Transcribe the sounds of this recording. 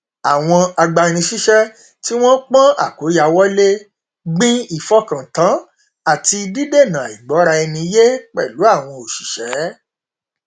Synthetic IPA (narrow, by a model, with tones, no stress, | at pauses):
a˨w̃ɔ̃˧a˧ɡ͡ba˧ñĩ˧ʃi˦ʃɛ˦ | ti˦w̃ɔ̃˦k͡pã˦a̰˨ko˨˦ja˧wɔ˦le˦ | ɡ͡bĩ˦i˦˨fɔ˦kã˨tã˨˦ | a˦˨ti˧di˦de˦˨nã˨i˨ɡ͡bɔ˨˦ɾa˧ɛ˧nĩ˧˦je˦k͡pɛ̰˦˨lu˨˦a˦˨w̃ɔ̃˧o˨ʃi˨ʃɛ˨˦